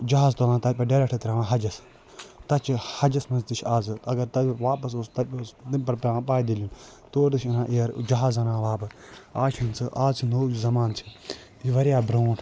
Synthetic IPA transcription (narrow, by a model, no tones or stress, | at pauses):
d͡ʒɐɦaːzt̪olãːnt̪ɐpʲɐɖeɾekʈʰɐt̪ɾaːʋãːɦɐd͡ʒɐs | t̪ɐt͡ʃʰihɐd͡ʒɐsmɐnzd̪iʃʰaːzɨɐɡɐɾt̪ɐbʋaːpɐsost̪ɐpʲːsd̪inpɐɾpɐãːpaːjd̪elin | t̪oːɾd̪ɨʃʰinãːʔeɐɾd͡ʒɐɦaːzɐnãːʋaːbɨaːt͡ʃʰɐnt͡sɨʔaːzt͡ʃʰinoːd͡ʒizɐmaːnt͡ʃʰi̥ | iʋɐɾjaːbɾoːʈʰ